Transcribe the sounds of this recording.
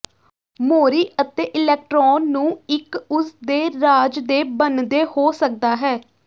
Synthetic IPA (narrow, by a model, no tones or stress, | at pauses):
moːɾiːət̪eːʔɪlɛːk̚ʈɾɔːnːũːɪkʊsd̪eːɾaːd͡ʒd̪eːbənd̪eːhoːsək̚d̪aːɦɛː